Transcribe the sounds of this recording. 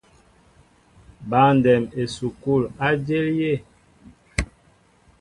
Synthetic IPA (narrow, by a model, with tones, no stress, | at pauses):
ba˨˦ndɛ˨me˨su˨ku˦˨la˦d͡ʒe˦lje˦˨